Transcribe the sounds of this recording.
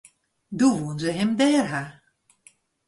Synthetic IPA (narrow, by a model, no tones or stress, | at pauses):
duʋunzəɦɛmdɛːrɦa